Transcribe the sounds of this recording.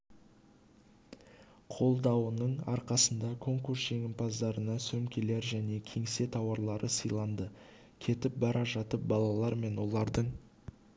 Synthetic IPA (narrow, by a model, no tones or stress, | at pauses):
qʰo̞lˠd̪ɑwənəɴɑɾqɑsənd̪ɑkʰo̞ŋkuɾsʒ̥e̞ŋʲɪmpʰɑzd̪ɑɾənɑsɵmkʲe̞le̞ɾʒæne̞kʲʰe̞ŋse̞t̪ʰɑwɑɾlˠɑɾəsəjlˠɑnd̪ə | kʲʰe̞t̪ɪp̚bɑɾʔɑʒɑt̪əp̚bɑlˠɑlˠɑɾme̞nwo̞lˠɑɾd̪əɴ